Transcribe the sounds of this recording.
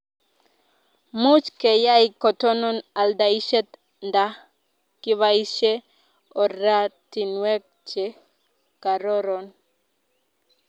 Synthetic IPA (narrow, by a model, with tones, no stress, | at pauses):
mu˦t͡ʃkɛ˨ja˦ikɔ˨t̪ɔ˦nɔ˦na˨lda˨i˦ʃɛ˦t̪ | nda | ki˦βaiʃɛ˦ | ɔ˨ɾa˦t̪i˨nwɛ˦k̚t͡ʃɛ | ka˨ɾɔɾɔn